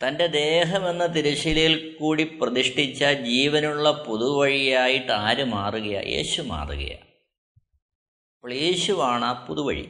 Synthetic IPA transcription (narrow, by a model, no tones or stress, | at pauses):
t̪ɐnde̞d̪e̞ːɦɐme̞nːɐt̪iɾuɕilɐjilkuːɽiprɐðiʂʈit͡ɕːɐd͡ʑiːʋɐnuɭːɐpuðuʋɐɻijaːjiʈːaːɾɨmaːruɣɐjɐ̰jʔe̞̰ːɕuma̰ːrṵɣɐ̰jɐ̰ | ɐpoɭeːɕuʋaːɳaːpuðuʋɐ̰ɻḭ